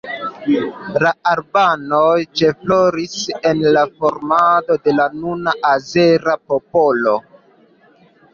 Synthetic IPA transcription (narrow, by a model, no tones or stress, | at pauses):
laaɾbanojt͡ʃefloɾise̞nlafoɾmado̞de̞lanunaʔazeɾapopo̞lo̞